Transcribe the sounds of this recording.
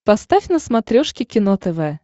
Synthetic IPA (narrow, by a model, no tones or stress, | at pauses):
pɐst̪afʲnəsmɐt̪ɾʲoʂkʲɪkʲɪnot̪ɛvɛ